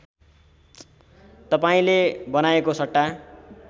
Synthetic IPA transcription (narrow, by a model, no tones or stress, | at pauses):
t̪ʌpaĩlebʌnaekosʌʈːa